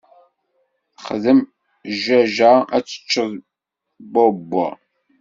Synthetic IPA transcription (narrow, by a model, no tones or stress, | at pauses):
χəðəm | ʒæʒaæt͡sːə̥t͡ʃːəð | bobːɔ̰